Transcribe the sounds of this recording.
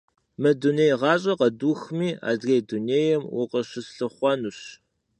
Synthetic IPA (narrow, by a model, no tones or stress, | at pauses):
mɐduneːjʁɑːɕʼɐqɐduːxmiːa̰ːzrejduneːjɛmwʊ̰qɐɕɪsɬɨχʷɑnuɕ